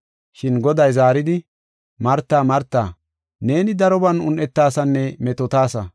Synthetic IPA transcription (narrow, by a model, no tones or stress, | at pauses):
ʃɪnɡɔd̪ɐjzaːɾɪd̪ɪ | mɐɾt̪ːaːmɐɾt̪ːa̰ː | ne̞ːnɪd̪ɐɾɔbɐnʊnʔɛt̪ːaːsɐnːɛmɛt̪ɔt̪aːsɐ